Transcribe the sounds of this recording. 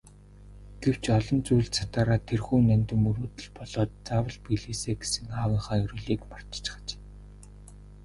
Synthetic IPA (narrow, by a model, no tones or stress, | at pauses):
ɡ̥ew̥t͡ɕɔɮɞ̆nt͡sujɮt͡sʰḁt̪aːɾaːt̪ʰːerxuːnænʲt̪ɘ̆mɵɾuːt̪ɘ̆ɮpɔɮɔːt̪t͡saːwə̆ɮpiɮiːseːɡe̥sɘ̆ŋaːwə̆ɴχaːjɵɾɵ̆ːɮiːkmar̥t͡ɕt͡ɕ̆χə̥̆t͡ɕː